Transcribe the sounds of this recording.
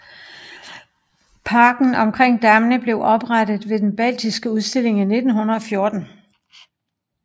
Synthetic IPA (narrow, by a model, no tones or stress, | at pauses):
pʰɑ̈ːɡ̥n̩ɒ̽mkʰʁeŋ̰d̥æmnəb̥le̝ʊʔɒ̽b̥ʁad̥ð̞̩ˠʋe̝d̥enb̥æl̰d̥isɡ̥əuð̞ˠsd̥e̝le̝ŋine̝d̥n̩ɦunɐðˠɒ̽fjo̝ːd̥n̩